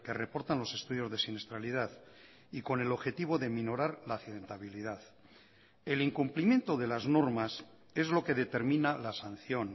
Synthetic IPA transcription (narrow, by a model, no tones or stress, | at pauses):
ke̞re̞po̞ɾt̪anlo̞se̞st̪uðjo̞zðe̞sinest̪ɾalið̞að | iko̞ne̞lo̞βxe̞t̪iβ̞o̞ðe̞mino̞ɾaɾlaːθiðe̞nt̪aβilið̞að | e̞liŋkumplimje̞nt̪o̞ðe̞lazno̞ɾmas | e̞zlo̞ke̞ðe̞t̪e̞ɾmĩnalasan̟θjo̞n